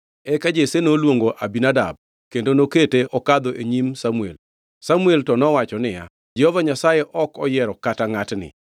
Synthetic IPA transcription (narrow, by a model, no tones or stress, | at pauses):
ɛkad͡ʒesenolwoŋɡoʔabinada̰b̚ | kendonoketeʔɔkad̪oʔeɲimsamuḛl | samueltɔnɔwat͡ʃɔnɪja̰ | d͡ʒɛhɔvaɲasajɛʔɔkɔjɛɾɔkataŋatnɪ̰